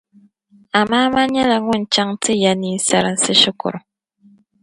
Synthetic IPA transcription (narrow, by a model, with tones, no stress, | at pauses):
a˨ma˦ma˦ɲɛ˦la˨ŋu˦˨n̩˨t͡ʃa˦ŋ˦tʰi˦ja˨ni˦n̩˦sa˨ɾa˨n̩˨˦si˦ʃi˦kṵ˨ɾ